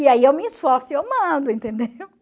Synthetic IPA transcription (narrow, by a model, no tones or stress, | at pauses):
iaiewmɪɪsfɔɾsʊewmɐ̃d̪ʊẽnt̪ẽnd̪ew